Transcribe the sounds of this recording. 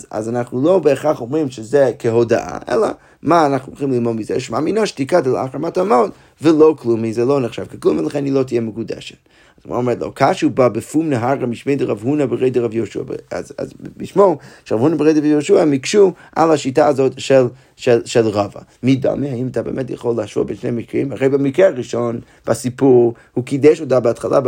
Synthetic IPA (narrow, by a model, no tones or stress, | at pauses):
za̰zanaχnulˠobəːχaχomʁimʃəzɛkʰəhoda̰ʔa̰ʔɛ̰lɐ̰ | maːnaχnuʁχimlˠilˠmodmizɛ̰ʃumaminoʃtikadəla̰χɾamatamot | vəloʊklˠumizɛlˠoʊnəχʃav̥kəklˠumilˠaχɛnilˠotijɛməkudɛ̰ʃɛ̥t | azma̰omɛtlo̰kʰaʃubabəfumnəɦaʁamiʃmeɪdəʁavhunabəʁeɪdəʁavjoʃua̰ba̰za̰zliʃmoʃeʁavhunabəʁejdivjoʃuamikʃuʔa̰laʃitaːzotʃel | ʃeʃelʁava̰mida̰mihaimatabeːmɛtja̰χolːəhaʃvo̰benʃnḛjmikʁḭmaʁejbamikʁeaʁiʃon | b̥asipuʁ | hukidɛʃotabəatχalʔa̰